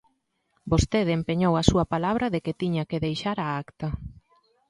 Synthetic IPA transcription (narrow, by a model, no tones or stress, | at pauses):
bost̪eðempeɲowɐsuɐpalaβ̞ɾɐðeket̪iɲakeðejʃaɾaakt̪ɐ